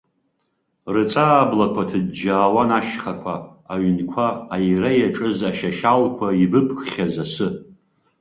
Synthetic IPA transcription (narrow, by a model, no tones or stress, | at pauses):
rɨt͡sʼaːblakʷʰatʰɨd̚d͡ʒaːwanaʃχakʷʰaːɥnkʷʰaːjrajaʈ͡ʂʼɨzaʃaʃalkʷʰaibɨpʰkʰχʲazasɨ